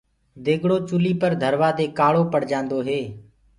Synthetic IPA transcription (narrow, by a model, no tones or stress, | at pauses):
d̪eːɡɽoːt͡ʃʊliːpəɾd̪ʱəɾʋaːd̪eːkaːɽoːpəɽ̤d͡ʒãːnd̪oːɦeː